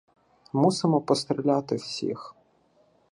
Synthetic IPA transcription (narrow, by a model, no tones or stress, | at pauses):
musɪmɔpɔst̪ɾʲilʲat̪ɪwsʲḭx